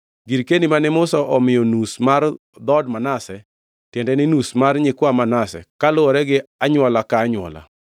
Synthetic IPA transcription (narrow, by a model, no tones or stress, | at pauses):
ɡiɾkenimanɪmʊsɔʔɔmɪjɔnusmar | d̪ɔdmanasɛ | tjɛndɛnɪnusmarɲɪkwamanasɛ̰kalʊɔɾɛɡɪaɲwɔlakaːɲwɔ̰la̰